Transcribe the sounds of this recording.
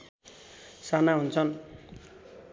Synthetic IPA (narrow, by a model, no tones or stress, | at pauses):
sanaɦunt͡sʰʌn